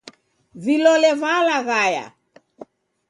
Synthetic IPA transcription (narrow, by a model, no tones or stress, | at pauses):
vilɔlɛvalaɣaja̰